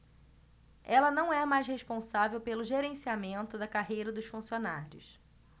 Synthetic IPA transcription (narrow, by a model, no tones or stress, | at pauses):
ɛlɐnɐ̃w̃ɛmajsheʃpõsavewpelʊʒeɾẽsiamẽnt̪ʊd̪ɐkaɦejɾɐd̪ʊʃfũsionaɾjʊ̰s